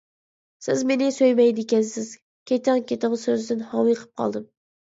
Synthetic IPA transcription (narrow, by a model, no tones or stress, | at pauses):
sɪ̰zmenɪsøjmɛjd̪ɪkʲɛnsɪz̥ | kʲʰet̪ʰɑŋkʲet̪ɪŋsøzd̪ɪnhɑwijqʰə̥p̚qʰɑ̰lˠd̪ɨm